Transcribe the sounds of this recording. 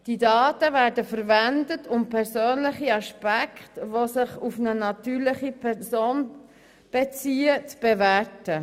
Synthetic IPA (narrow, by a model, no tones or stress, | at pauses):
d̥idɑːtəvæːɾdəfəɾvændətʰʊmpʰɛɾsøːnlɪχiɑʃpækχtʋosɪχufnənɑtyːɾlɪχipʰɛsoːn | b̥et͡siːət͡sb̥evætə